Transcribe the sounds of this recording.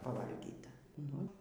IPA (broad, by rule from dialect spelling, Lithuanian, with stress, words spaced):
pɐˈʋɐlʲɡʲiːtɐ ˈnʊ